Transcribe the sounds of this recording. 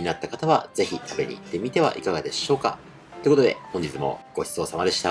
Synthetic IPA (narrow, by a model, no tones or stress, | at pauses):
inat̪ːakat̪aβaze̞çit̪ʰabe̞ɲ̟ḭːt̪ːe̞mʲit̪e̞β̞a̰ʔikaɡad̪e̞ɕo̞ːka̰ | t̪oekot̪od̪e̞̰hõɲ̟d͡ʑit͡sɨmo̞̰ɡ̥o̞çi̥so̞ːsamad̪e̞ɕi̥t̪a